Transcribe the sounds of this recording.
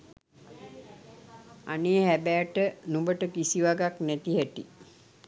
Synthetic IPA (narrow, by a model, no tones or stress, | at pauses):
a̰neːhæbæːʈənũmbəʈəkisiʋaɡaknæt̪iɦæʈi